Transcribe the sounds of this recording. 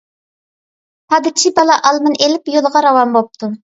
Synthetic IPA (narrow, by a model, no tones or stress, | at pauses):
hɑd̪ɨt͡ʃʰibɑlˠɑʔɑlˠmɨnelɪpjolˠʁɑɾɑwɑmbop̚t̪ʰu